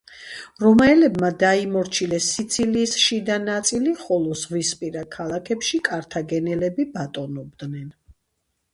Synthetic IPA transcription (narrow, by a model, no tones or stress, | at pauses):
ɾɔmaɛlɛbmad̪aimɔɾt͡ʃʰilɛsit̪sʰiliːsʃid̪anat̪sʼiliχɔlˠɔzʁwispʼiɾakʰalˠakʰɛpʃikʼaɾt̪ʰaɡɛnɛlɛbibat̪ʼɔnɔbd̪nɛn